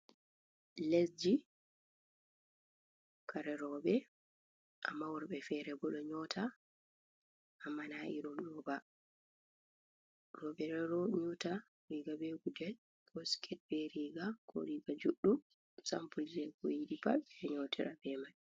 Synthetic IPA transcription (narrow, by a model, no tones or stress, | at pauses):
lesd͡ʒi | kʰaɾɛɾɔɓɛ | ʔamːawɔɾbɛfɛɾɛbɔɗɔɲɔtʰa | ʔamːanaʔiɾumɗɔba | rɔɓɛɾɛɾɔɲɔta | ɾiɡabɛɡudɛ | kʰɔskʰɛt̚bɛɾiɡakʰɔ̰ɾiːɡad͡ʒuɗːu | sampuld͡ʒɛkɔjiɗipa̰lɛɲɔtʰiɾabɛmaj